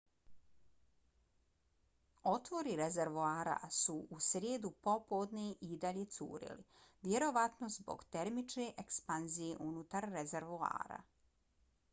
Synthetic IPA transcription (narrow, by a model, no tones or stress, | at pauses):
o̞t̪ʋo̞ɾiɾezeɾʋuaːɾa̰suʔusɾʲjeːd̪upo̞pod̪niʔid̪aʎet̪sṵːɾḭlḭ | ʋjeɾo̞ʋat̪nozbo̞̰ɡt̪eɾmit͡ʃneʔekspanzijeʔunut̪aɾːezeɾʋua̰ːɾa̰